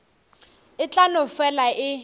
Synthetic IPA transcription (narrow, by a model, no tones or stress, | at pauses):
ɪt͡ɬʼanʊfɛlaʔɪ